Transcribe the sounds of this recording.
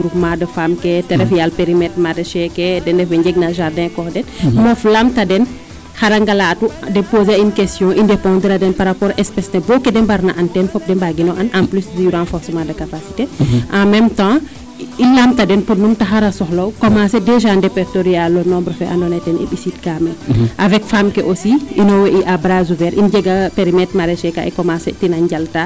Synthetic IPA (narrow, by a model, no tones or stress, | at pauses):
ɡɾupmaːdɐfamkɛtɛɾɛfjalpeɾimɛtmaːdɐʃɛkɛdɛndɛfɛɲd͡ʒɛɡ̚naʒaɾdɛ̃ːkɔxdɛnmɔflamtɐdɛn | xaɾɐŋɡalaːtudɛpoːzainkɛstjɔ̃ʔindɛpɔ̃ːdɾadɛnpaɾapɔːɾʔɛspɛsnɛbɔkɛdɛmbaɾnaʔɐntɛnfɔp̚dɛmbaɡinɔʔɐnamplysdjuɾãnfɔɾsɛmãdɐkapasi̥teʔamɛmtã | ilamtadɛnpɔnumtaɦaɾasɔxlɔwkɔmasɛdɛʒandɛpɛɾtoɾialːɔnɔmbɾɔfɛʔa̰ndɔnatɛnḭɓisit̚kamɛʔavɛk̚famkɛʔosiʔinɔweʔiʔabɾazuvɛɾʔind͡ʒɛɡapeɾimɛt̚maɾɛʃɛka̰ɛkɔmasɛ̰tinaɲɟalta